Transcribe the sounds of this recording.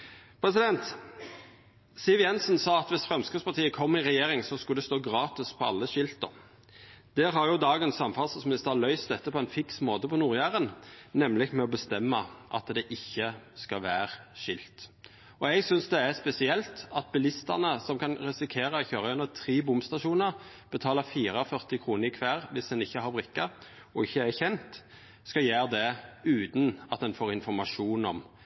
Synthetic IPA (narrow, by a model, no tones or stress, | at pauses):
pʰɾɛs̬ɪd̪ɛnt̪ | sɪːʋjɛnsnsɑːɑt̪ʋɪsfɾɛmskʉspɑʁt̪ʰiːəkʰɔmːɪʁɛjeːɾɪŋsɔskʉld̪ɛst̪oːɡɾɑːt̪ɪspʰɔɑ̰lːəʃɪlt̪ə̰ɾ | d̪̥ɛɦɑɾjʊd̪ɑːɡənsɑmfɑlssmɪnɪst̪əlœʏst̪ɛt̪ːəpʰɔɛɪnfɪksmoːt̪əpɔnuːʁjæːʁənnɛmlɪɡmɛɔbəst̪ɛmːəʔɑ̰t̪d̪ɛʔɪçːəskɑʋæːɾʃɪlt̪ | ɔɛɡsʏnsd̪ɛæspɛsɪɛlt̪ɑt̪̚bɪlɪst̪əʁnəsɔmkʰɑnɾɛsɪkʰeːɾəɔçøːɾʁɑjɛnːət̪ʰɾiːbʊmst̪ɑʃuːnə | b̥ət̪ʰɑːləfiːɾɑɔfœʁt̪ɪkʰɾuːnəɾɪkʰʋæːɾʋɪsd̪ɛnɪçːəhɑɾbʁɪkːɑ | ɔɪçːəæçɛnt̪ | skɑjæːʁd̪ɛʉːt̪nɑt̪̚d̪ɛnfoːɾɪnfɔɾmɑʂuːnɔm